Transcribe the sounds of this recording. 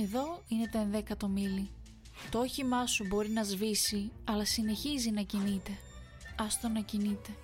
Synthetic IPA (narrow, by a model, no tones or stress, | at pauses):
e̞ðo̞ine̞t̪ɐenðe̞kɐt̪o̞mili | t̪ooçimɐsubo̞ɾinɐzvisiɐlɐsine̞çizinɐcinit̪e̞ | ɐst̪onɐcinit̪e̞